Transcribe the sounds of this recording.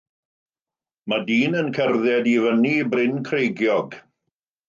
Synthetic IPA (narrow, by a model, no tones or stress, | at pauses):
madiːnənkʰɛrðjɛdivənibrɪnkʰrejɡjɔɡ